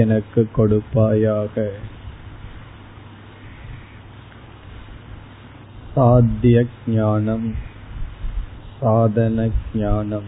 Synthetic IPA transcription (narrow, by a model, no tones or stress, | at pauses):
ɛnɐkːɯkːɔɽɯpːaːjaːɣɐ | saːd̪jɐɡɲaːnɐm | saːðɐnɐɡɲaːnɐm